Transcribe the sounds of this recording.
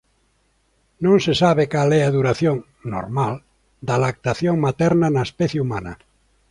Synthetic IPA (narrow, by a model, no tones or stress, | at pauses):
nõŋsesaβekalɛaðuɾaθjõŋ | no̰ɾmal | d̪alak̚t̪aθjõŋmat̪ɛɾnanaespɛθjeumanɐ̰